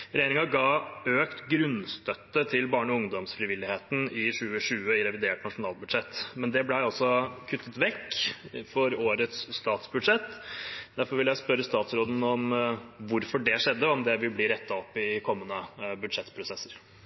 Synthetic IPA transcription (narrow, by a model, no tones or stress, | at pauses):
ɾɛjeːɾɪŋɑɡɑːøːkt̪ɡɾʉnst̪œt̪ːət̪ʰɪlbɑːɳɔʊŋd̪ɔmsfɾɪʋɪlːɪheːt̪n̩ɪʂʉːəʂʉːəɪɾɛʋɪd̪eːʈnɑʂʊnɑːlbʉd̪ʂɛt̪ːmɛnd̪ɛblæɪɔsːɔkʰʉt̪ʰːət̪ʋɛkːfɔɾoːɾət̪sːt̪ɑːt̪sbʉd̪ʂɛt̪ːd̪æɾfɔɾʋɪljæɪspœɾːəst̪ɑːt̪sɾoːd̪ən̩ɔmʋʊɾfɔɖɛʂɛd̪ːəɔmd̪ɛʋɪlbliːɾɛt̪ʰːɑɔpːɪkʰɔmːənəbʉd̪ʂɛt̪ːpʰɾʊsɛsːəɾ